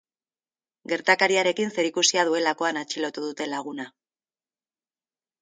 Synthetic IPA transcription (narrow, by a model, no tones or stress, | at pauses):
ɡe̞ɾt̪akaɾiaɾe̞kinse̞ɾikusiað̞ue̞lako̞anat͡ʃilo̞t̪uðut̪e̞laɣ̞una